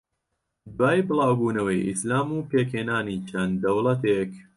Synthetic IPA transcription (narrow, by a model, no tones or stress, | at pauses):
baːjbɨlaːwbuːnɐwɐjʔḭslaːmuːpeːkheːnaːniːt͡ʃʰɐnd̪ɐwlɐt̪ek